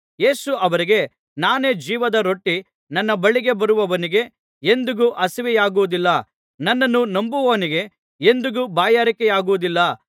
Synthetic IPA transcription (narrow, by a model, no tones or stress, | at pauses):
je̞ːsuʔɐʋɐɾiɡe̞ | naːne̞ːd͡ʒiːʋɐd̪ɐɾo̞ʈːi | nɐnːɐbɐɭiɡe̞bɐɾuʋɐʋɐniɡe̞ | end̪uɡuʔɐsiʋɛjaːɡuʋud̪ilːɐ | nɐnːɐnːunɐmbuʋɐʋɐniɡe̞ | end̪uɡubaːjaːɾikɛjaːɡuʋud̪ilːɐ